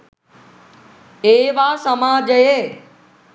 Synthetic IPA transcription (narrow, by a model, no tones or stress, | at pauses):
eːʋaːsəmaːd͡ʑəjeː